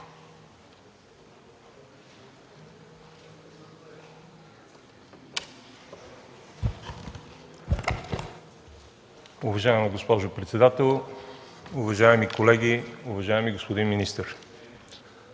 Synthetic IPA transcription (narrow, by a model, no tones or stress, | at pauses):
ʊvɐʒaɛmiɡospɔʒʊpɾɛt̪sɛd̪at̪ɛlˠ | ʊvɐʒaɛmikolɛɡʲiʊvɐʒaɛmiɡospod̪inminist̪əɾ